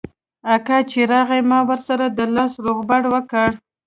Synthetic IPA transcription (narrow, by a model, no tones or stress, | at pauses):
akɑt͡ʃeɾɑɣajmɑwəɾsaɾad̪əlɑsɾoɣbaɽwəkəɽ